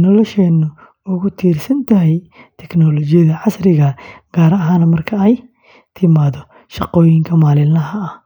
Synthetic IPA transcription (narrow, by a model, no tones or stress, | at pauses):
nɔlɔʃɛːnːʊ | ʊɣʊt̪ʰiːrsɐnt̪ʰɐɦɛjt̪ʰɛɡnɔlɔt͡ʃɪjɐðɐʕɑsrɪɣɐɡ̥aːɾɐɐɦaːnɐmɐrkʰɐɛj | t̪ʰɪmaːðɔ | ʃɑqɔːjɪŋkʰɐmaːlɪlnɐɦɐɐ